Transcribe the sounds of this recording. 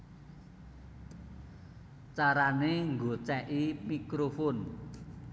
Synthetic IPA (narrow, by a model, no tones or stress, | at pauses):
t͡ʃaɾaneŋɡot͡ʃɛʔimikɾofɔn